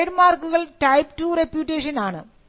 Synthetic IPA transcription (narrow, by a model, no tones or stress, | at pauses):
ɖmaːrkːuɣɐɭʈɐjpʈuːrepjuːʈːeːʂɐnaːɳɨ̰